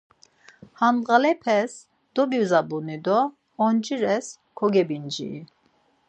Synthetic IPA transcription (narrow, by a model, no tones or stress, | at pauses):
hanʁalɛpʰɛs | d̪̥ɔbiwzabunid̪ɔː | nd͡ʒiɾɛs | kʰɔɡɛbind͡ʒḭː